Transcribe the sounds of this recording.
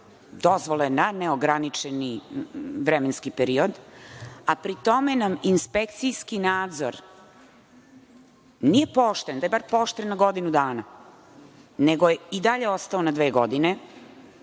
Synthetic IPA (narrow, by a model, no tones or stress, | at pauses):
d̪o̞zʋolenaneoɡɾanit͡ʃeni | ʋɾemenskipeɾiod̪ | apɾit̪o̞menaminspek̚t̪sijskinaːd̪zo̰ɾ | nije̞poʃt̪end̪ajebaɾpoːʃt̪ennaɡo̞d̪inud̪aːna | neɡojeid̪aʎe̞o̞st̪aonad̪ʋeːɡod̪ine